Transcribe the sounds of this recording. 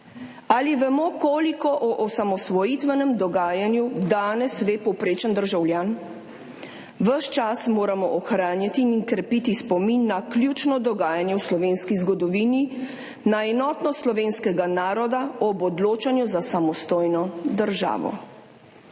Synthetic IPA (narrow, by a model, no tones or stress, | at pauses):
aliʋɛmɔkoːlikɔʔɔʔɔsamɔsʋɔjit̪ʋɛnɛmd̪ɔɡaːjanjud̪aːnɛsʋeːpɔwpɾeːt͡ʃənd̪əɾʒawljaːn | ʋəʃt͡ʃasmoːɾamɔʔɔxɾaːnjat̪iːŋkɾɛpit̪ispɔminːakljut͡ʃnɔd̪ɔɡaːjanjɛwslɔʋeːnskizɡɔd̪ɔʋini | naɛnɔːt̪nɔslɔʋeːnskɛɡanaːɾɔd̪aɔbɔd̪loːt͡ʃanjuzasamɔst̪oːjnɔd̪əɾʒa̰ːʋɔ̰